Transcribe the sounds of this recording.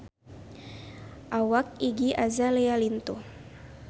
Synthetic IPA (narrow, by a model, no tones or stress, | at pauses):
ʔawak̚iɡiʔazalealint̪o